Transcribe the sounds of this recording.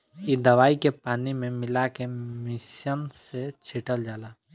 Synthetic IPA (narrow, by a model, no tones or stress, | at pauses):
id̪əʋaːikepaːnimẽmɪlakemɪʃənset͡ʃʰiʈəld͡ʒaːlaː